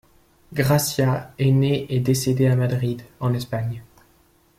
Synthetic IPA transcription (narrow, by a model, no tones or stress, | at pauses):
ɡʁasjaeneʔed̪esed̪eamad̪ʁid̪ɑ̃nɛspaɲ